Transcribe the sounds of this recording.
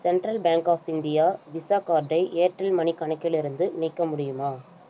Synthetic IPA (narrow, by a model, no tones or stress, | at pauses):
sɛɳʈɾɐlbaːŋkaːfɪnd̪ɪjaːʋɪsaːkaːɾɖːɐɪʔeːʈɾɐlmɐɳikɐɳɐkːɪlɪɾɯnd̪ɯniːkːɐmʊɽɪjɯmaː